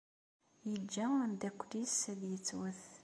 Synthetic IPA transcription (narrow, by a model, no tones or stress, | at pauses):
jəd͡ʒːænd̪ækʷːlisæðjət͡sːwəθ